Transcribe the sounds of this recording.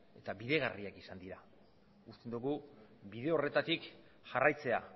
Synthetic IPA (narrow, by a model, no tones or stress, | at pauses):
e̞t̪aβiðe̞ɣariakisand̪iɾa | ust̪e̞nd̪uɣubiðe̞o̞re̞t̪at̪ik | ʝarajt͡se̞a̰